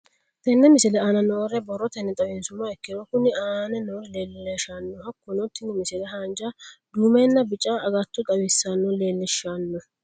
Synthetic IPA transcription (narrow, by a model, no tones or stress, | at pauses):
t̪ɛnːɛmɪsɪlɛaːnɐnɔrɛbɔrːɔt̪ɛnːɛt̪ʼɐwɛnsʊmːɐɛkːɪd̪ɔkʊnɪaːnɛnɔleːlːɛʃanːɔɦɐkːʊnɔt̪ːɪnɪmɪsɪlɛɦaːnd͡ʒad̪uːmɛnːɐbɪt͡ʃʼːaːɡɐt̪ːʊt̪ʼɐwɪsːanːɔleːlːɛʃːanːɔ